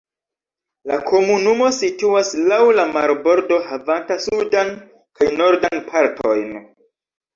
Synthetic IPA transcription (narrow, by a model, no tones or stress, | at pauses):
lakʰo̞munumo̞situaslawlamaɾbo̞ɾdo̞havantasudan | kajno̞ɾdanpʰaɾtʰo̞jn